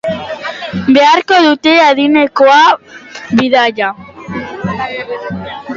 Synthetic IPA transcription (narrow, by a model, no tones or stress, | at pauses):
beaɾkoðut̪e̞aðinekoa | βiðaʎa